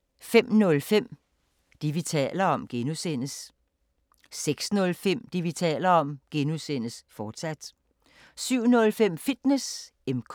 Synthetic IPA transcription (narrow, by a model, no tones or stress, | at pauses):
fem̰nɔ̽lfem̰ | d̥iʋit͡sʰɛ̰ːlɐɒ̽mɡ̥enusen̰əs | seɡ̥snɔ̽lfem̰d̥iʋit͡sʰɛ̰ːlɐɒ̽mɡ̥enusen̰əsfɒːd̥sæd̥ | syʊ̰nɔ̽lfem̰fid̥nes | emkʰ